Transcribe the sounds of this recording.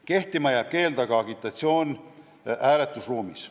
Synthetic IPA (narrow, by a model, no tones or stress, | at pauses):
ke̞ht̪imɑjæːb̥̚ke̞ːld̪ɑɡ̥ɑɑɡit̪ːˑɑt̪sio̞ːn | æːlet̪ːˑusruːmis